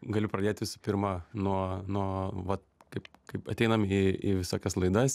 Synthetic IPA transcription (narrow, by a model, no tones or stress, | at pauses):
ɡɐlʲʊpɾɐd̪ʲeːt̪ʲʋʲɪsʊ̥pʲɪɾmɑnuɔnuɔʋɐt̪̚kɐɪpkɐɪpɐt̪ʲɛɪnɐmiḭʋʲɪsoːkʲɛslˠɐɪd̪ɐs